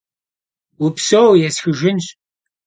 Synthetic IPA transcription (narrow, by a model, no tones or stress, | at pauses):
ʊpsowjɛsxɨʒʷɪnɕ